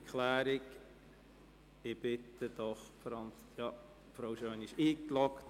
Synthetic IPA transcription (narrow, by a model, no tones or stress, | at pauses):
kʰlæːɾɪk | ɪb̥ɪt̪əd̪̥ɔχfɾɑnsjɑ | fɾoʊʃøːniʃiːklɔkt